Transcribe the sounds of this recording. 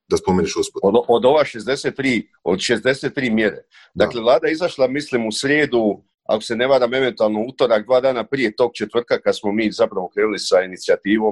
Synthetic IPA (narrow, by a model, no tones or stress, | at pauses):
d̪aspomeniʃɡospoood̪o̞ʋaʃezd̪e̞set̪ːɾiː | od̪ʃe̞zd̪e̞se̞t̪ːɾiːmje̞ɾḛ | d̪akle̞vlˠaːd̪ajeizaʃlˠamislimusɾjeːd̪u | a̰ko̞se̞ne̞ʋaːɾame̞ʋe̞nt̪uaːlˠnouːt̪o̞ɾak̚d̪ʋaːd̪aːnapɾije̞t̪o̞ːɡ̚t͡ʃe̞t̪ʋr̩t̪̚kakad̪smo̞miːzapɾaʋo̞kɾeːnulisainit̪siat̪iːʋo̞